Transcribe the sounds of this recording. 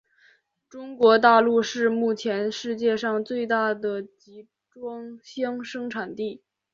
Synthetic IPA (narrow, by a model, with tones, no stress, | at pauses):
ʈ͡ʂʊ˥ŋkwɔ˧˥t̪a˥˧lu˥˧ʂɻ̩˥˧mu˥˩t͡ɕʰjɛ˧˥nʂɻ̩˥˧t͡ɕjɛ˥˧ʂɑ˥˧ŋt͡swe˥˧ɪt̪a˥˩d̪ə˩t͡ɕi˧˥ | ʈ͡ʂwɑ˥ŋɕjɑ˥ŋʂɤ˥ŋʈ͡ʂʰa˨˩nt̪i˥˩